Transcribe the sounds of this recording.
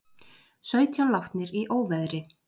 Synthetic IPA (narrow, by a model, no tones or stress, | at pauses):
sœːɥt̪ʰjanlawft̪nɪɾiʔoːwvɛðɾɪ